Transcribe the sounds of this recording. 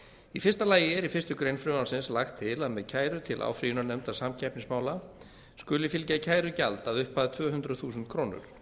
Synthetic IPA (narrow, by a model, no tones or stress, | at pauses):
ifɪrst̪alaːjɪɛɾifɪst̪ʏkɾejnfɾʏːmasɪnslaxt̪ʰːɪlaðmɛðcʰaːjɾʏt̪ʰɪlʔa̰ːwfɾijʏnanɛmt̪asamcʰɛpnɪŋsmaːwla | skʏːlɪfɪlcacʰaːjɾʏca̰lt̪aðʏhpːaːðat̪ʰvœːɦʏnt̪ɾaθuːsʏnt̪̚kʰɾoːwnʏ̰ɾ̥